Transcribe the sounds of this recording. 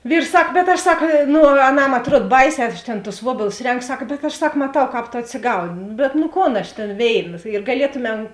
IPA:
ˈʋʲiːrs ˈsɐk bʲɛt ˈɐʃ ˈsɐk ˈnʊ ɐˈnɐm ɐtˈruɔt ˈbɐɪˌsʲɛː ˈɐʃ tʲeːn tʊs ˈʋuɔbʲeːlˠʊs ˈrʲɛŋkoː ˈsɐk bʲɛt ɐʃ ˈsɐk mɐˈtɐʊ ˈkɑːp toː ɐtʲsʲɪˈɡɐʊnʲɪ bʲɛt nʊ ˈkoːn ˈɐʃ tʲeːn ˈʋʲeːɪˌnɐ ɪr ɡɐˈlʲiɛtʊˌmʲɛm

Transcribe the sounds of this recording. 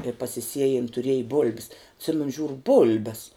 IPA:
ɪ pɐsʲɪˈsʲiɛjɪn tʊˈrʲiɛjɪ bʊlʲpʲs ɐtʲˈsʲɪmʲɛnʊ ˈʒʲuːrʊ ˈbʊlʲbʲɛs

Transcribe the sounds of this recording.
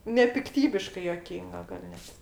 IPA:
nʲɛpʲɪkˈtʲiːbʲɪʃkɐɪ juɔˈkʲiːŋɡɐ ɡɐlʲ ˈnʲɛt

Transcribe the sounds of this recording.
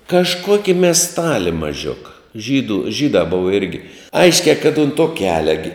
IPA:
kɐʃˈkoːkʲɪ mʲɛsˈtɑːlʲɪ mɐˈʒʲʊkɐ ˈʒʲiːduː ˈʒʲiːdɑː ˈboːʋɐ ˈɪrʲɡʲɪ ˈɐɪʃʲkʲæː kɐt ʊnt toː ˈkʲæːlʲɛ ɡʲɪ

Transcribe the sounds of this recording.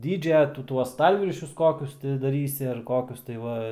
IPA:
ˈdʲiːd͡ʒʲɛ ˈtʊ ˈtuɔs ˈstɐlʲʋʲɪrʲʃʲʊs ˈkoːkʲʊs tʲɪ dɐˈrʲiːsʲɪ ɐr ˈkoːkʲʊs tɐɪ ˈʋɐ

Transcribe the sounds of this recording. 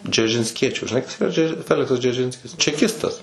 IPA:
d͡ʒʲɛrʲʒʲɪnʲsʲˈkʲiɛt͡ʃʲuː ʒʲɪˈnɐɪ kɐs iːˈrɐ ˈd͡ʒʲɛ ˈfʲæːlʲɪksɐs d͡ʒʲɛrʲˈʒʲɪnʲsʲkʲɪs t͡ʃʲɛˈkʲɪstɐs

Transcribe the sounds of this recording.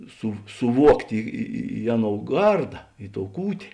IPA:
sʊ sʊˈʋuɔktʲeː ɪ ɪ ɪ ˈɑːˌnoːʊ ˈɡɐrdɐ ɪ toːʊ ˈkuːtʲeː

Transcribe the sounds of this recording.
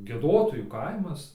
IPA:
ɡʲiɛˈdoːtoːjuː ˈkɐɪmɐs

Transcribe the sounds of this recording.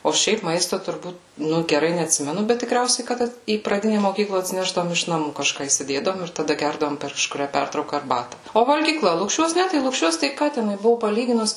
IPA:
oː ˈʃʲɛɪp ˈmɐɪstoː tʊrˈbuːt ˈnʊ ɡʲɛˈrɐɪ nʲɛɐtʲˈsʲɪmʲɛnʊ bʲɛt tʲɪˈkrʲɛʊsʲɛɪ ˈkɐt iː prɐˈdʲɪnʲɛ moːˈkʲiːklˠɐ ɐtʲsʲɪˈnʲæːʒdɐʋoːm ɪʃ nɐˈmuː kɐˈʃkɑː iːsʲɪˈdʲeːdɐʋoːm ɪr tɐˈdɐ ˈɡʲɛrdɐʋoːm pʲɛr kɐʃkʊˈrʲæː ˈpʲɛrtrɐʊkɐ ɐrˈbɑːtɐ oː ʋɐlʲɡʲiːˈklˠɐ lˠʊkˈʃʲuɔs ˈnʲɛ tɐɪ lˠʊkˈʃʲuɔs tɐɪ ˈkɑː tʲɛˈnʊɪ ˈbʊʋoː pɐˈlʲiːɡʲɪnʊs

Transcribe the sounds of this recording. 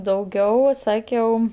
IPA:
dɐʊˈɡʲɛʊ ˈsɑːkʲɛʊ

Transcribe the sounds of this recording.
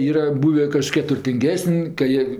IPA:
ˈiːrɐ ˈbuːʋʲeː kɐˈʃʲkʲiɛ tʊrʲtʲɪŋʲˈɡʲæːsənʲ kɐ ˈjiɛ

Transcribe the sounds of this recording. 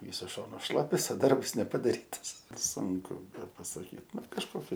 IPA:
ˈʋʲiːsʊs ˈʃoːnʊs ˈʃlˠɑːpʲɛs oː ˈdɐrps nʲɛpɐdɐˈrʲiːtɐs ˈsʊŋkʊ bʲɛpɐsɐˈkʲiːt ˈnʊ kɐʃˈkoːkʲɪ

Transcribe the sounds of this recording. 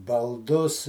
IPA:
bɐlˠˈdʊs

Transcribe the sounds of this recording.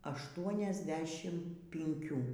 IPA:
ɐʃˌtuɔnʲɛzʲˈdʲæːʃʲɪm pʲɪŋʲˈkʲuː

